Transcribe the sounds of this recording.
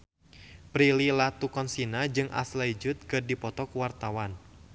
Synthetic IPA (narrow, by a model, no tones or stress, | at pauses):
pɾililat̪ukɔnsinad͡ʒɨŋʔa̰slaid͡ʒut̪̚kɨdipɔt̪ɔkuwart̪awan